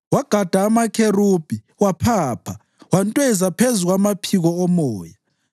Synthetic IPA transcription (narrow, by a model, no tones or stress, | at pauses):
waɡ̥ʱad̥ʱaːmakʰerub̥ʱi | wapʰaːpʰa | wantʼwɛzapʰezuɣwamapʰiɣɔɔmɔːja